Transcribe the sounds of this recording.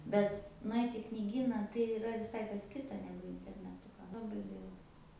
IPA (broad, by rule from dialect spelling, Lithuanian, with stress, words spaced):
ˈbʲɛt nʊˈɐɪtʲ ɪ knʲɪˈɡʲiːnɐ tɐɪ iːˈrɐ ʋʲɪˈsɐɪ kɐs ˈkʲɪtɐ ˈnʲæːɡʊ ɪnʲtʲɛrʲnʲɛˈtʊ lˠɐˈbɐɪ ˈɡɐɪlˠɐ